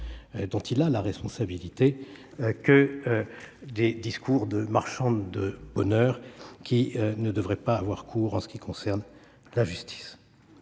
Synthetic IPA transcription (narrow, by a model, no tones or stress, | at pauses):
d̪ɔ̃t̪ilalaʁɛspɔ̃sabilit̪e | kə | d̪ed̪iskʰuʁd̪əmaʁʃɑ̃d̪əb̥ɔnœʁkʲʰinəd̪əvʁɛpaːvwaʁkʰuːʁɑ̃sə̥kʲikɔ̃sɛʁn | laʒyst̪ʰi̥s